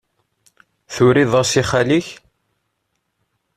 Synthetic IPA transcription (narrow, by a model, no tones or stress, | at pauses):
θʊɾiðˤɑsiχaliç